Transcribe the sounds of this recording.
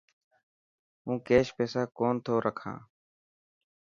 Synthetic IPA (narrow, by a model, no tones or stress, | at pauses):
ũːkeːʃpeːsaːkoːnt̪ʰoːɾʔəkʰã̰ː